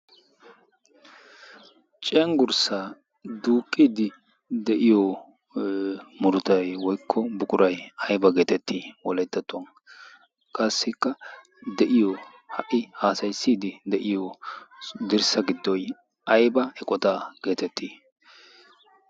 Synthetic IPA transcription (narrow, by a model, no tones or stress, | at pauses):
t͡ʃʼɛŋɡʊɾsaː | d̪uːkʼːiːd̪ɪ | d̪ɛʔɪjɔ | mʊɾʊt̪ɐjwɔjkʰːɔbʊkʼʊɾɐjɐjbɐɡe̞ːt̪ɛt̪ːiːwɔlɛt̪ːɐt̪ːʊɐn | kʼɐsːɪkːɐ | d̪ɛʔɪjɔ | hɐʔɪhaːsɐjsːiːd̪ɪd̪ɛʔɪjɔ | d̪ɪɾsɐɡɪd̪ːɔj | ɐjbɐɛkʼɔt̪aːɡ̥e̞ːt̪ɛt̪ʰːiː